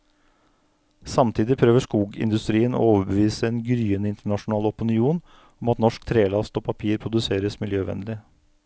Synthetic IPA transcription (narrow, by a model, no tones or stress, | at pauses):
sɑmt̪ʰiːd̪ɪpʰɾøːʋəʂkuːɡɪ̰nd̪ʉst̪ɾiːəno̰oːʋəbəʋiːsəɛnɡɾyːənəɪnt̪əɳɑʂʊnɑːlɔpɪnɪuːn | ɔmɑt̪nɔʂk̚t̪ʰɾeːlɑst̪oːpʰɑpʰiːɾpʰɾʊd̪ʉseːɾəsmɪljøːʋɛ̰nlɪ